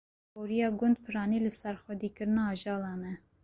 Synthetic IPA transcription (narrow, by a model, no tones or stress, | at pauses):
boːɾijɑːɡʊnd̪̚pʰɨɾɑːniːlɨsɛɾxʷɛd̪iːkɨɾɨnɑːʒɑːlɑːnɛ